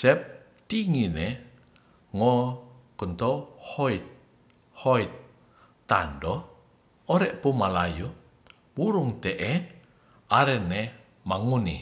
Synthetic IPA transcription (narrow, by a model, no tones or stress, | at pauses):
sɛp̚ | t̪iŋinɛ | ŋɔkunt̪ɔhoit̪̚ | hɔit̪̚ː | a̰ndɔ | ɔɾɛʔpumalaju | buɾuŋt̪ɛʔɛ | aɾɛnɛ | maŋuni